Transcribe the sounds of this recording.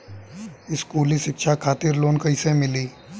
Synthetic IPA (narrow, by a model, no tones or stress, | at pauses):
ɪskuːliʃɪkʃakʰaːt̪ɪɾloːnkɐɪsemɪliː